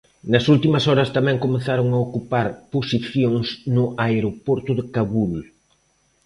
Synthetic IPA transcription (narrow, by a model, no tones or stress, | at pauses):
nɐsult̪imɐsɔɾɐst̪amɛ̃ŋkomeθaɾʊŋaokupaɾposiθjoŋsnʊʔaeɾopɔɾt̪ʊðɪkaβul